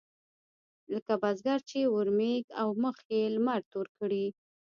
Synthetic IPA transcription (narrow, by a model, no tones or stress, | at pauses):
ləkabazɡaɾt͡ʃewəɾmeɡawməxjelmaɾt̪oɾkəɽi